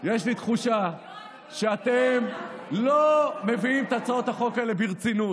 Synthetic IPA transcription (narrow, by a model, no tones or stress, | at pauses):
je̞ʃlit̪χuʃa | ʃeat̪emlome̞viimt̪at͡saot̪haχo̞kaelebiʁt͡sinu